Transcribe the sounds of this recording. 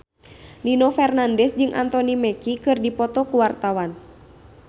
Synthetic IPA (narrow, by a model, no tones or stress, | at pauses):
ninɔfɛrnandɛsd͡ʒɨŋʔa̰nt̪ɔnimɛkikɨrdipɔt̪ɔkuwart̪awan